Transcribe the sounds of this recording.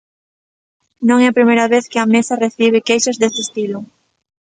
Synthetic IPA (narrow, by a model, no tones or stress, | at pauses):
nõŋɛɐpɾimejɾɐβeθkɪɐmesɐreθiβ̞ɪkejʃɐzðesɪest̪ilʊ